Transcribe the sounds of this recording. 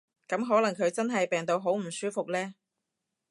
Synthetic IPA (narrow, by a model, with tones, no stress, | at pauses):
kɐ˨˥mɦɔː˨˥lɐ˨˩ŋkʰɵ˨˧ɥt͡sɐ˥nɦɐ˨jpɛː˨ŋt̪o˨˧wɦo˨˥wm̩˨˩syː˥fʊ˨k̚lɛː˥